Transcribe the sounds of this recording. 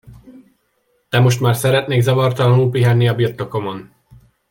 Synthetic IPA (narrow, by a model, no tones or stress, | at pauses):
t̪ɛmo̞ʃt̪maːrsɛɾɛt̪neːɡzɒvɒrt̪ɒlɒnulpiɦɛnːiɒbirt̪ːo̞ko̞mo̞n